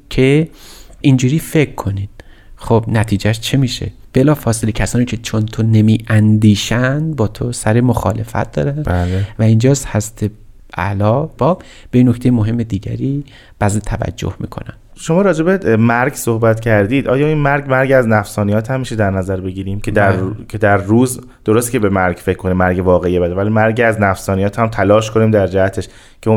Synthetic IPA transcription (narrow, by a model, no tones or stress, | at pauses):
cʰe̞ʔind͡ʒuːɾiːfe̞kʰːo̞niːn | χob̥næt̪ʰiːd͡ʒæʃt͡ʃʰemiːʃe̞̰b̥elɒːfɒːselecʰæsɒːniːcʰe̞t͡ʃʰont̪ʰone̞miːʔænd̪iːʃænbɒːt̪ʰosæɾemoxɒ̰ːle̞̰fæ̰t̪̚d̪ɒ̰ːɾænbælevæind͡ʒɒːshæzt̪ʰe | ʔæ̰lɒːbɒːb | b̥einːokt̪ejemoɦe̞mːe̞d̪iːɟæ̰ɾiː | b̥æzet̪ʰævæ̰d͡ʒːo̰hmḭːkʰo̰næ̰m | ʃo̞mɒːɾɒːd͡ʒe̞bemæɾɡsohbæt̪cʰæɾd̪iːd̪ʔɒːjɒːiːnmæɾɡmæɾɡæznæfsɒːnijɒːt̪ʰhæmːiʃed̪æɾnæzæɾbe̞ɟiːɾiːmcʰed̪ækʰed̪æɾːuːz | d̪̥oɾost̪cʰebemæɾɡfe̞cʰkʰːo̞niːmːæɾɡevɒːɣeijebæd̪evælimæɾɟæznæfsɒːnijɒːt̪ʰhæmt̪ʰælɒːʃkʰo̞niːmd̪æɾd͡ʒæhæt̪ʰeʃ | cʰe